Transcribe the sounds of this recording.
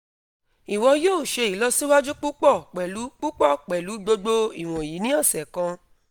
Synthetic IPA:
i˨wɔ̃˧joː˦˨ʃe˧i˨˦lɔ˧si˦wa˦d͡ʒu˦k͡pu˦k͡pɔ˦˨k͡pɛ˨lu˨˦k͡pu˦k͡pɔ˦˨k͡pɛ˨lu˨˦ɡ͡bo˧ɡ͡bo˧i˨w̃ɔ̃˨ji˨˦nĩ˦ɔ̃˦˨sɛ˨kã˧

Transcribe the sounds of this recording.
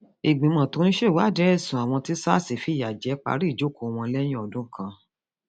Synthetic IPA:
i˨ɡ͡bĩ˨˦mɔ̃˨to˨˦n̩˦ʃe˦˨wa˨˦˨d͡ʒɛ˨˦ɛ˦˨sũ˨a˨w̃ɔ̃˧ti˦sa̰˦˨si˨fi˨˦˨ja˨d͡ʒɛ˨˦k͡pa̰˨˦ɾi˦˨d͡ʒo˨˦ko˨˧w̃ɔ̃˧lɛ˦j̃ĩ˦ɔ˨dũ˦kʰã˧

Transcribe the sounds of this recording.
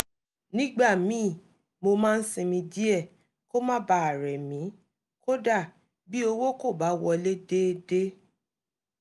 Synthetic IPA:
nĩ˦ɡ͡ba˦˨mĩː˨˦˨ | mo˧mãː˦n̩˦sĩ˧mĩ˧d͡ʒi˦ɛ˦˨ | ko˦mãː˦ba˧˦a˨ɾɛ˨mĩ˨˦ | ko˦da˦˨ | bi˦o˧wo˦ko˦˨ba˨˦wɔ˧le˦de˦de˦

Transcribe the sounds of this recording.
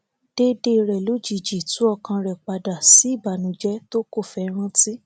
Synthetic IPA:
d̥e˦de˧ɾɛ˨lo˨˦d͡ʒi˨d͡ʒi˨tũ˨˦ɔ˦˧kã˧ɾɛ˨k͡pa˧da˨si˨˦i˦˨ba˨nũ˨˦d͡ʒɛ˦to˦ko˦˨fɛ˧˦ɾ̃ã˦ti˦

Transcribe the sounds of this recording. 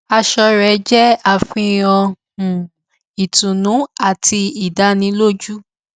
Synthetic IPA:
a˧ʃɔ˧ɾɛ˨d͡ʒɛ˦a˦˨fĩ˧ɔ˧ | hũ˨ | i˨tũ˨nũ˨˦a˦˨tʰi˧i˨da˨˦nĩ˧lo˦d͡ʒu˦

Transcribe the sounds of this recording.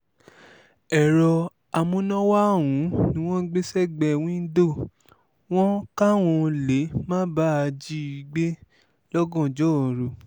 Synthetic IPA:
ɛ˨ɾɔ˧ | a˨mũ˧˦nɔ̃˦wa˦˨wũ˨˦nĩ˦w̃ɔ̃˦ɡ͡be˦sɛ˦˨ɡ͡bɛ˨w̃ĩ˦n̩˦do˦˨ | w̃ɔ̃˦ka˦w̃ɔ̃˧le˨˦mãː˦ba˦a˧d͡ʒi˦i˧ɡ͡be˦ | lɔ˦ɡɔ̃˦˨d͡ʒɔ˦˨ɾo˨

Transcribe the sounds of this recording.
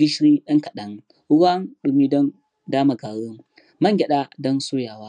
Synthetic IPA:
ɡʲɪ˦ʃɾiː˦ɗɐ˦ŋkɐ˨ɗɐ˨ŋ | ʊ˦wa˦nɗʊ˨miː˦dɔ˦n | daː˦ma˨ɡaː˨ɽʊ˦ŋ | mɐ˦ŋɡʲɛ˨ɗaː˦dɐ˦nsʊ˦jaː˨waː˦

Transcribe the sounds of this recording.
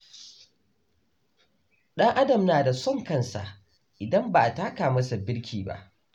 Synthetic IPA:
ɗɐ˦ŋʔa˦dɐ˨mnaː˨da˨sɔ˦˨ŋkɐ˦nsa̰˨ʔ | ʔɪ˨dɐ˦mba˨ʔa˨taː˦kaː˨mɐ˦sa˨bɪ˦ɽkʲʰiː˨ba̰˦ʔ

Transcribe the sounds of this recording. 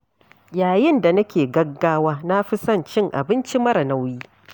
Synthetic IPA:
jaː˨jɪ˦nda˨nɐ˦kʲeː˨ɡɐ˦ɡːaː˦waː˦na˦ɸɪ˦sɐ˦˨nt͡ʃɪ˦ŋʔa̰˨bɪ˦nt͡ʃi˦mɐ˦ɾɐ˨na˦wjiː˦

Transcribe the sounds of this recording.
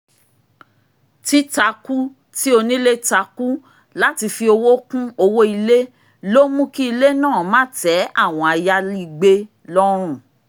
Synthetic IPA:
ti˦ta˧ku˦ | ti˦o˧nĩ˦le˦ta˧ku˦ | la˦ti˧fi˧o˧wo˦kũ˦o˧wo˦i˧le˦ | lo˦mũ˦ki˦i˧le˦nãː˦˨mã˦tɛ˨˦a˦˨w̃ɔ̃˧a˧ja˧li˦˧ɡ͡be˦ | lɔ˦ɾ̃ũ˦˨

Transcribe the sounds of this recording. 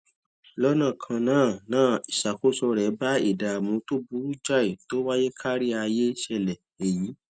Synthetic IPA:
lɔ˦nã˦˨kʰã˧nãː˦˨nãː˦˨i˨ʃa˨ko˦sɔ˧ɾɛ˨˦ba˦ḭ˦˨da˨mũ˨˧˦to˦bu˨˦d͡ʒa˦i˨to˨˦wa˦je˦kʰa˦ɾi˦a˧je˦ʃɛ˧˨lɛ˨ | e˨jĩ˨˦

